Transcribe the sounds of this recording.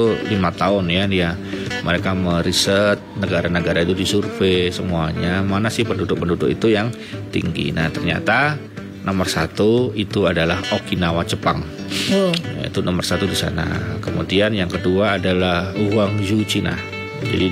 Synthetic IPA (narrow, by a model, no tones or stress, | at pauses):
ulimat̪aʊnjadia | mʔəɾekaməɾisət̪̚nəɡaɾanəɡaɾait̪udisurfesəmuaɲamanasɪhpəndudʊk̚pəndudʊkḭt̪ujaŋ | t̪ḭŋɡḭna̰t̪ərɲa̰t̪a | nʔomərsat̪uit̪uadalahokinawat͡ʃəpaŋ | ja̰ḭt̪unɔmərsat̪udisa̰na̰kəmudianjaŋkəduaːdalahuwaŋd͡ʒut͡ʃina̰h | d͡ʒa̰di